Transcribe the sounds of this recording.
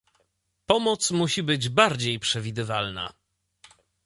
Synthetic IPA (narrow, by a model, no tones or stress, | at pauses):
pɔmɔt̪smuɕibɘd͡ʑbaɾd͡ʑejpʂɛvʲid̪ɘvalna̰